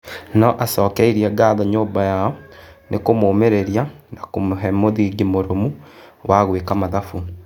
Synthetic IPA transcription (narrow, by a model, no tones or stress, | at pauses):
nɔʔasɔːkɛiɾiaɡaðɔɲoːbajaɔnekomoːmeɾeɾijanakomoɦɛmoðiɡemoɾomuwʔaɣwekamaðafu